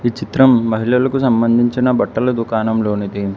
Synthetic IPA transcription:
it͡ʃit̪ɾɐmːɐɦilɐlɐkusɐmbɐnd̪ʱiɲt͡ʃɐnɐbɐʈːɐlɐd̪ukaːnɐmloːnit̪i

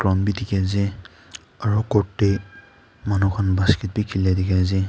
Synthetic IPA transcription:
kɹɔmbidikɛzi | aɹukɔɹtːe | manukʰɔnbaskit̚bikʰilɛdikɛzi

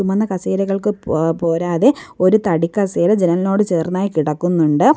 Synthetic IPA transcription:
umɐnːɐkɐseːɾɐɣɐɭkɨpo̞ːɾaːðe̞o̞ɾut̪ɐɽikːɐseːɾɐd͡ʑenɐnno̞ːɽɨt͡ɕeːrnaːjikiɽɐkːunːuɳɖɨ

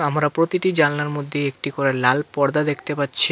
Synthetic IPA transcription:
amɾapɾot̪iʈid͡ʑanlaɾmod̪ʱːeek̚ʈikoɾelalpɔɾd̪ad̪ekʰt̪epatːɕʰi

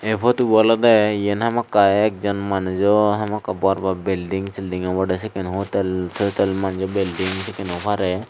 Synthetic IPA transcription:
epʰɔt̪ubalɔd̪ɛijenhamakːaɛk̚d͡ʒɔnmand͡ʒɔɦamakːabɔaɾbabilɖiŋsilɖiŋabɔɖɛsɛkɛnɦot̪lt̪ʰɔt̪ɛlmand͡ʒɔbilɖiŋsɛkɛnhɔpʰaɾɛ

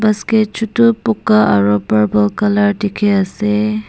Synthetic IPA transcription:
basket͡ʃʰutupʊkaʔaɹupaɹbɔlkalaɹtikʰɛasɛ

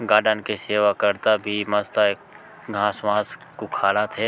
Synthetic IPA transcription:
ɡaːɖənkeseːʋakəɾt̪abʱimɐst̪a | ɡʱãːsʋãːskukʰaːɽat̪ʰeː

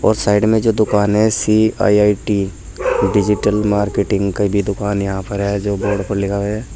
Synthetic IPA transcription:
ɔːɾsaːɪɖmẽd͡ʒoːd̪ʊkaːnɦɛsia̰ːiaːiʈi | ɖɪd͡ʒɪʈəlmaːɾkeːʈɪ̃ŋɡkabʱid̪ʊkaːnjɐɦãpɐɾɦɛd͡ʒoːbɔːɾɖpɐɾlɪkʰaeɛː

